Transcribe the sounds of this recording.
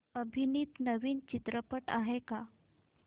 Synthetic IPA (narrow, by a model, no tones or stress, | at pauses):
əbʱiniːt̪nəʋiːnt͡ɕit̪ɾəpəʈa̰ɦeka